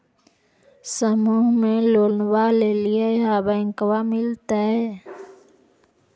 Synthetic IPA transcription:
səmuːɦmẽloːlnwalelieɦaːbaɪ̃ŋkəwamɪlt̪aɦɛː

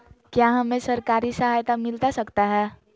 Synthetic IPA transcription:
kjaɦəmesəɾkaɾisəɦajt̪amilt̪asəkt̪aɦɛ

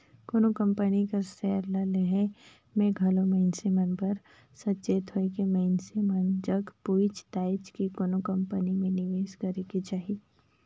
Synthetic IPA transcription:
konokə̃mpənikasɛːɾlaleɦe | mẽɡʱɐlomeːnsimənpɐɾ | sɐtːt͡ʃeːt̪ʰoekemeɪnsimənd͡ʒɐɡpuːt͡ʃt̪aːɪt͡ʃkikonokə̃mpənimẽnɪʋeːʃkɐɾekit͡ʃaːɦi

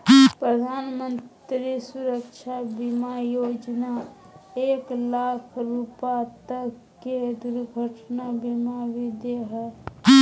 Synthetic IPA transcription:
pɾəd̪ʱaːnmə̃ntt̪ɾisuɾəkʃʰabimajoːd͡ʒna | eːklaːkʰɾupat̪əkːed̪uɾɡʱəʈnabimaʋɪd̪jəɦɛː

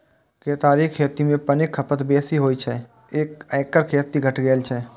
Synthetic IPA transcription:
keːt̪aːɾiːkkʰːeːt̪imẽpənɪkʰːəpət̪beːsiɦoːit͡ʃʰɛ | eːkɛːkəɾkʰeːt̪ːiɡʱɐʈʰɡeːlt͡ʃʰɛː

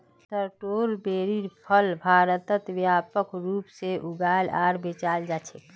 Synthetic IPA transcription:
ʈəɾʈoːɾbeːɾiɾpʰəlbʱaːɾət̪ət̪wjaːpəkɾuːpseʔuɡaːla̰ːɾbet͡ʃaːld͡ʒaːt͡ʃʰe

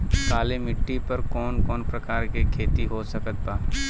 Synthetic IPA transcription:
kaːlemɪʈːipɐɾkɔːnkɔːnpɾɐkaːɾkikʰeːt̪iɦosɐkət̪̚baː

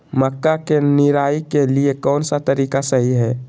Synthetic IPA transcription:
məkːakenɪɾaːikeliekɔːnsat̪əɾiːkasəɦiɦɛː

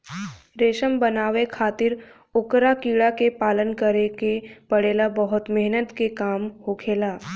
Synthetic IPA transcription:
ɾeːʃəmbənaːʋekʰaːt̪ɪɾ | ʊkɾakiːɽakepaːlənkəɾekepəɽeːlabəɦʊt̪mɪɦnət̪kekaːmɦokʰeːlaː

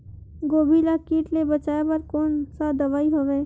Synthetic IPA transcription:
ɡoːbʱilakiːʈlebət͡ʃaːebəɾkoːnsad̪əʋaːiɦoʋeː

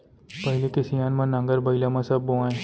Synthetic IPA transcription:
pəɦɪlekesijaːnmãnãŋɡəɾbəɪlamãsɐbːoãːẽ

